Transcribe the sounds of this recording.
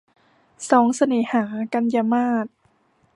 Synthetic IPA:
sɔː˩˦ŋsa˧nɤː˩˦haː˩˦ka˧njaː˧maː˥˩t̪̚

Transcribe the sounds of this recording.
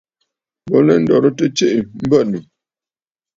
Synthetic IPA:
bɔ˦lɛ˦n̩˦dɔ˨ɾə˦tə˦t͡ʃe˦ʔi˨m̩˦bə˦˨nu˨

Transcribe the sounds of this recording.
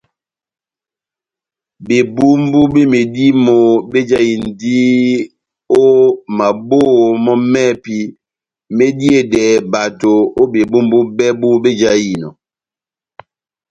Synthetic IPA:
be˨bu˦m˦bu˦be˦me˨di˦mo˨be˦d͡ʒa˦ji˨n̩˨di˦ | o˦ma˨bo˦˨mɔ˦mɛ˦˨pi˦ | me˦di˦e˦˨dɛ˨ba˨to˨o˦be˨bu˦m˦bu˦bɛ˦bu˦be˦d͡ʒa˦ji˨nɔ̰˨

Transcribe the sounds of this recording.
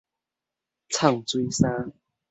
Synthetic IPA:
t͡sʰa˥˨˩ŋt͡swi˦sa˦˥

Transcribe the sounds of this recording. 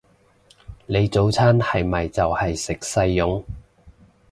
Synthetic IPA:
le˨˧jt͡so˨˥wt͡sʰaː˥nhɐ˨jmɐ˨jt͡sɐ˨whɐ˨jsɪ˨k̚sɐ˧jːʊ˨˥ŋ

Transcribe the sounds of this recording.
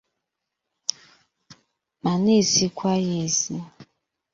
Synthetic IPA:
ma˨ni˦˨si˦kʷwa˦je˨si˦

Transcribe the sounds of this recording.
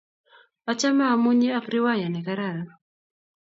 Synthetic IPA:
a˦t͡ʃa˦ma˦˨mu˦ɲe˦a˦kɾi˦wa˦ja˨nɛ˨ka˦ɾa˨ɾa˨

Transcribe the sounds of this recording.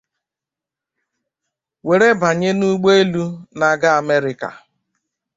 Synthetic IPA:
we˨ɾe˦ba˨ɲe˦nu˦ɡ͡be˦e˦lu˦na˨ɡa˦a˨me˦ɾɪ˦ka̰˨

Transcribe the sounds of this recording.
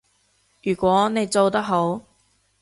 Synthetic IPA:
jyː˨˩kʷɔː˨˥ne˨˧jt͡so˨˧wt̪ɐ˥k̚ɦo˨˥w

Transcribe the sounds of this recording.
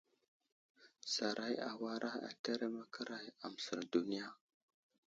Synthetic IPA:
sa˨ɾʔa˦ja˨wa˦ɾʔa˦a̰˨te˦ɾe˦ma˦kʰə˦ɾa˦ja˨m˨sə̰˨ɾdu˨ni˦ja˦

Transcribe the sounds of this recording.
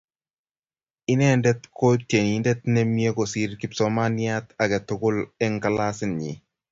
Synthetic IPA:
i˦nɛ˦ndɛ˦tkʰo˦te˨ni˨ndɛ˦t̪̚nɛ˦mje˦ko˨si˦ɾki˦psɔ˨ma˦nja˦t̪a˨kɛ˨tʊ˦kʊ˦lɛ˦ŋka˨la˦sɪ˦nɲḭ˨

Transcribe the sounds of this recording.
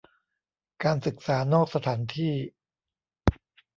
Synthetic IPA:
kaː˧nsɯ˨˩k̚saː˩˦noː˥˩k̚sa˧t̪ʰaː˩˦nt̪ʰiː˥˩

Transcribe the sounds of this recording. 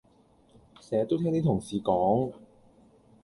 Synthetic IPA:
sɛː˨˩ɐ˨t̪ːo˥wt̪ʰɛː˥ŋniː˥t̪ʰʊ˨˩ŋsiː˨˧kɔː˨˥ŋ

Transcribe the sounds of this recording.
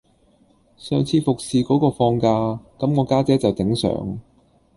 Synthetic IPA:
sœː˨ŋt͡sʰiː˧fʊ˨k̚siː˨kɔː˨˥kɔː˧fɔː˧ŋkaː˧kɐ˨˥mŋɔː˨˧kaː˥t͡sɛː˨˥t͡sɐ˨wt̪ɪ˨˥ŋsœ̰ː˨˥ŋ

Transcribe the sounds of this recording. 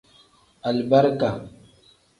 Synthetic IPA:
a˨lba˦ɾka˨

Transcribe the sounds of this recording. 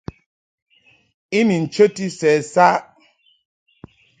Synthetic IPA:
i˦ni˨n̩˨t͡ʃə˦ti˦sɛː˨sa˦ʔ

